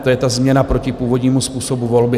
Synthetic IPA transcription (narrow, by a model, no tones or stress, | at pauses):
t̪ojɛt̪azmɲɛnapɾo̞cɪpuːvod̪ɲiːmuspuːso̞buvolbɪ